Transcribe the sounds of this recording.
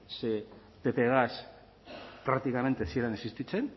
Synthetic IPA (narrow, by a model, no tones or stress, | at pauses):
se | t̪epeɣas | pɾakt̪ikame̞nt̪esielanesist̪it͡se̞n